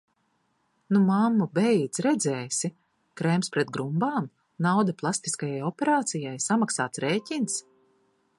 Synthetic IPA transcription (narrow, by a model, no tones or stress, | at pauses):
numamːubɛjd̪zɾɛd̪zɛːsi | kɾɛmspɾɛt̪̚ɡɾumbaːm | nawd̪aplˠast̪iskajajɔpʲɛɾaːt̪sijajsamaksaːt̪sɾeːcʲins